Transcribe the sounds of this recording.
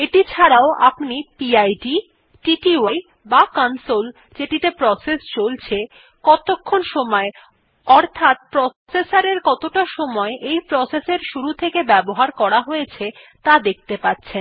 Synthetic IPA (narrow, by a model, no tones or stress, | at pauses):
eʈit͡ɕʰaɾaoʔa̰pnipiajɖi | ʈiʈiaj | bakansol | d͡ʑeʈit̪epɾɔsest͡ɕolt͡ɕʰe | kɔt̪okʰːonʃɔmɔe | ɔɾt̪ʰat̪̚pɾɔsesaɾeɾkɔt̪oʈaʃɔmɔeʔejpɾɔseseɾʃuɾut̪ʰekebɛboɦaɾkɔɾaɦojet͡ɕʰe | t̪ad̪ek̚ʰt̪epatːɕʰen